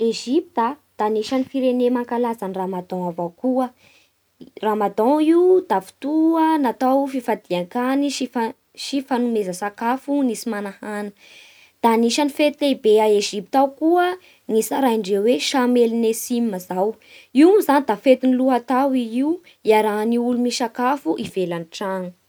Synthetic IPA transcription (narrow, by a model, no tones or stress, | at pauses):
eʒipit̪əd̪̥aniʃanifiɾenemaŋkalazaniraːmad̪aw̃avawkuə | raːmad̪aiwd̪afi̥t̪uənat̪awfifad̪iaŋkaniʃifa | ʃifanumezəsakafunisimanahanə̥ | d̪̥aniʃanifet̪leibeaeʒip̚t̪awkuə | ŋisaɾaiɳɖ͡ʐeweʃamelinesimazaw | iwnzanid̪afet̪iniluɦat̪awiiw | iaɾaniulumiʃakafuʔivelanʈ͡ʂanə